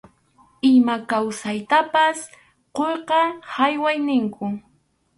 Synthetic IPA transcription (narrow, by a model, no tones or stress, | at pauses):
ɪmakawsajt̪apas | qojqɑhajwajnɪŋkʊ